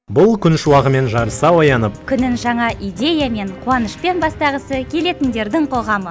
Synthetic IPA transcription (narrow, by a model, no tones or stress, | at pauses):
bʊlˠkʲʰʏnʃuwɑʁəme̞nʒɑɾəsɑwɑjɑnəp̚kʲʰʏnɪnʒɑɴɑʔijd̪ʲe̞jame̞ɴqʰuwɑnəʃpe̞nbɑst̪ɑʁəsəkʲʰe̞le̞t̪ɪnd̪e̞ɾd̪ɪŋqʰo̞ʁɑmə